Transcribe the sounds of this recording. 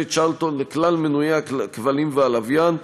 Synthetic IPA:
et͡ʃalt̪onleklalmenujeeakvalimvealavjan

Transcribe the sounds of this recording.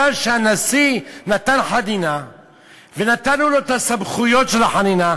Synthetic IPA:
alʃeanasinat̪anħadina | venat̪anuloet̪asabχujo̞t̪ʃelaħanina

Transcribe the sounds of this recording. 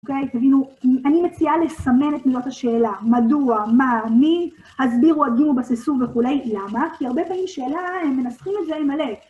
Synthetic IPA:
okejt̪avinuanimet͡siale̞same̞netmizot̪haʃe̞ːlamaduamami | hazbiʁuatɡimubasisuʁveχule̞jlamakʰiaʁbe̞pamimʃe̞ːlahemːe̞nasχimetzeimale

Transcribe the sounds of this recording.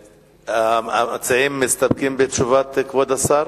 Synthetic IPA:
aamat͡saimːist̪ab̚kimbet̪t͡ʃuvat̪kvod̪asaɾ

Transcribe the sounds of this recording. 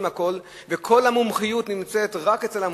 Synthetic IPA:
mhako̞l | vekʰo̞lhamumχijutnimt͡setʁaket͡se̞lham

